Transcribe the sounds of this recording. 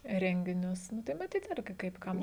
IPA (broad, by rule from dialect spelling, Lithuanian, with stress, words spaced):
ˈrʲɛŋʲɡʲɪnʲʊs nʊ tɐɪ mɐˈtʲiːt ˈɪrʲɡʲɪ kɐɪp ˈkɐm